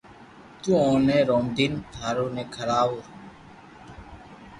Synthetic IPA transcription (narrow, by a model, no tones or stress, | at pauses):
t̪uõːnẽːɾoːmd̪iːnt̪ʰaːɾoːneːkʰəɾaːuɾ